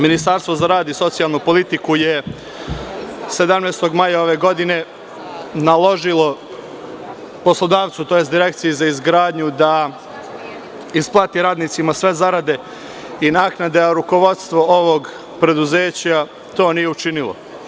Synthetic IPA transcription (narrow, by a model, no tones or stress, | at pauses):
minist̪aɾst̪ʋo̞zaɾaːd̪iso̞t̪sijalˠnupo̞lit̪ikuje | se̞d̪amneːst̪o̞ɡmajao̞ʋe̞ːɡo̞d̪ine̞ | nalˠo̞ʒilˠo | po̞slˠod̪aːʋ̪sut̪o̞jesd̪iɾek̚t̪sijezaizɡɾaːd̪ɲud̪a | isplˠaːt̪iɾaːd̪nit̪simasʋe̞zaɾad̪e̞ | inaːknad̪e̞ɾuko̞ʋo̞t̪st̪ʋo̞oʋoɡ | pɾe̞d̪uze̞ːt͡ɕa | t̪o̞ːnijeut͡ʃinilˠo̰